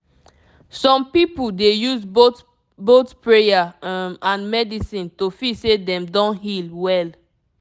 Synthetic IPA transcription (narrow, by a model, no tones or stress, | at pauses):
sɔ̃mpipuldejuzbot | botpɹejamãnmɛdisĩntofisedɛ̃mdɔ̃nɦilwɛl